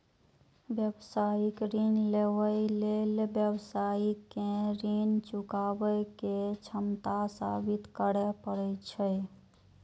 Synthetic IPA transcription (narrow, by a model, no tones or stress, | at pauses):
bjəbsaːikɾinlewəilelbjəbsaikeɾint͡ʃukabəket͡ʃʰəmt̪asabit̪kəɽɛpəɽət͡ʃʰə